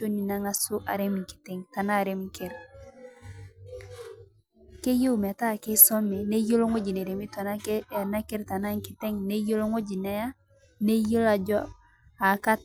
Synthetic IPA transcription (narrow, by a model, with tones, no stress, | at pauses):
o˦ni˨na˦ŋa˦su˦ʔa̰˨ɾemŋki̥˨te˨ŋta˨na˦˨ɾemŋke˨ɾ | ke˦jo˦ume˨ta˦ke˦so˦me˨ne˦jo˦lo˦ŋo˦ɟi˨ne˨ɾe˨mi˦to˨nana˦ke˦ɾta˨na˦ŋki˨te˦ŋne˦jo˦lo˦ŋo˦ɟi˨ne˦ja˦ | ne˦jo˦la˨d͡ʒɔ˦ | a˨ka˦t